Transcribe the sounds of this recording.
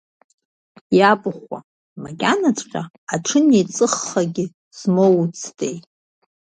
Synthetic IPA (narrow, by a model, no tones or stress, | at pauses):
jabɨχʷa̰ | maɡʲʼanat͡sʷʼqʲʼa | aʈ͡ʂʰɨnejt͡sʼɨχːaɡʲɪ | z̥mowt͡sʰtʰejtʼ